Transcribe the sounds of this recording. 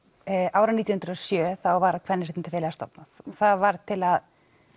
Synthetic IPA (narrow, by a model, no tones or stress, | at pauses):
ʔaːwɾaniːt̪jhnɾʏɔsjœːθawvaɾkʰvɛɾnːɪs̬ɛt̪nt̪ɪfeːlɛɣast̪ɔ̰pnaθθaðvaɾt̪ʰɪlað